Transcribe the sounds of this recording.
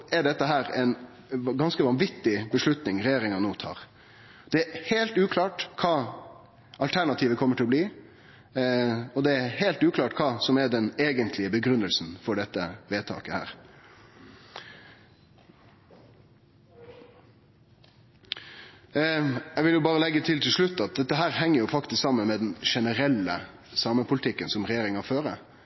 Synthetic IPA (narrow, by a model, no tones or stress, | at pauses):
ɛɖɛt̪ːəɦæːɾɛɪn | ɡɑnskəʋɑnʋɪt̪ːɪbəʂlʉt̪nɪŋɾɛjeːɾɪŋɑnoːt̪ʰɑ̰ːʁ | d̪̥ɛæheːlt̪ʉːkʰlɑːʈkʰɑː | ɑlt̪ʰæɳɑt̪ʰiːʋəkʰɔməʈʰɪlɔbliː | ɔd̪ɛæhelt̪ʉːkʰlɑːʈkʰɑːsɔmɛɖɛneːɡənt̪ʰlɪəbəɡɾʉnːəlsn̩fɔɖɛt̪ːəʋeːt̪ʰɑ̰ːkəhæ̰ːɾ | jɛʋɪljʊbɑːɾəlɛɡːət̪ʰɪlt̪ʰɪlʂlʉt̪ːɑt̪̚d̪ɛt̪ːəɦæːɾɦɛŋːəɾjʊfɑkt̪ɪsksɑmːənmɛd̪ɛnʂɛnəɾɛlːə | sɑːməpʰʊlɪt̪ʰɪkːənsɔmɾɛjeːɾɪŋɑføːɾə